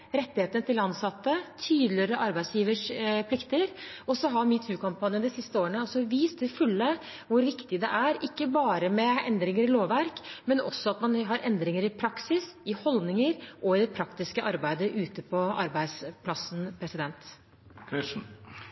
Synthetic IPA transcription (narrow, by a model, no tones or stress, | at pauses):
ɾɛt̪ːɪheːt̪ənət̪ɪlɑnsɑt̪ːət̪ʰyːd̪lɪəɾəʔɑɾbæɪsjiːʋəʂpʰlɪkt̪əɾɔsɔɦɑɾmit̪ʰʉːkʰɑmpɑnjənəd̪ɪsɪst̪əoːɾəɳəɔsɔʋiːst̪ʰɪfʉlːə | ʋʊɾʋɪkt̪ɪd̪ɛ̰ʔæɾɪkːəbɑːɾəmɛɛ̰nd̪ɾɪŋəɾɪloːʋʋæɾkmɛnɔ̰sːɔɑt̪mɑnɦɑɾʔɛnd̪ɾɪŋəɾɪpʰɾɑksɪsɪhɔld̪nɪŋəɾʔɔɪd̪ɛpʰɾɑkt̪ɪskəʔɑɾbæɪd̪əʔʉːt̪əpʰɔɑɾbæɪd̪spʰlɑsn̩pʰɾɛsɪd̪ɛnt̪ | kʰɪʂn̩